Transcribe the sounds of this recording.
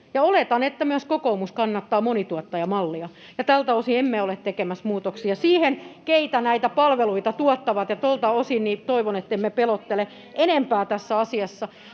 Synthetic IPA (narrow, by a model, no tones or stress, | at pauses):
jɑolet̪ɑnet̪ːæmyæskokoumuskɑnːɑt̪ːɑːmonit̪uɔt̪ːɑjɑmɑlːiɑ | jɑt̪ælt̪æosiemːeolet̪t̪ekemæsmuːt̪oksiɑsiːhenkeit̪ænæit̪æpɑlʋeluit̪ɑt̪uɔt̪ːɑʋɑt̪jɑt̪olt̪ɑosinnit̪oiʋonet̪ːemmepelot̪ːele | ʔenempæːt̪æsːæɑsiɑsːɑ